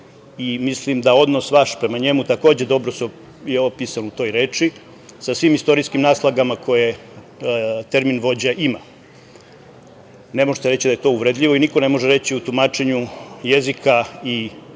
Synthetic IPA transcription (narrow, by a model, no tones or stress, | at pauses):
imislimd̪ao̞d̪no̞sʋaʃpɾe̞maɲe̞mut̪ako̞ːd͡ʑed̪o̞bɾoseo | jeopisanut̪o̞ːjɾe̞ːt͡ʂi | sasʋiːmist̪o̞ɾiskimnaːslˠaɡamakʰo̞je | t̪e̞ɾminʋo̞d͡ʑaʔima | ne̞moʒet̪eɾe̞t͡ɕid̪aje̞t̪o̞ːuʋɾed̪ʎʲiʋo̞iniko̞ne̞mo̞ʒeɾe̞t͡ɕiut̪umaːt͡ʃe̞ɲuje̞zikʰai